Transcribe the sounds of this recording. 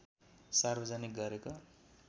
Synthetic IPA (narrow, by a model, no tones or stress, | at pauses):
sarbʌd͡zanik̚ɡʌɾeko